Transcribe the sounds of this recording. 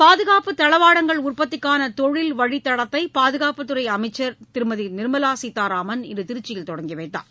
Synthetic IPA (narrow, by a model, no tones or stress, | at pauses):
paːðɯɣaːpɯt̪ɐɭɐʋaːɽɐŋɡɐɭʊrpɐt̪ːɪkːaːnɐt̪ɔɻɪlʋɐɻit̪ːɐɽɐt̪ːɐɪpaːðɯɣaːpɯt̪ːɯɾɐɪɐmɐɪt͡ʃːɐɾt̪ɪɾɯmɐðinɪɾɯmɐlaːsiːt̪ːaːɾaːmɐnɪ̰ndɯt̪ɪɾɯt͡ʃːɪjɪlt̪ɔɽɐŋɡɪʋɐɪt̪ːa̰ːɾ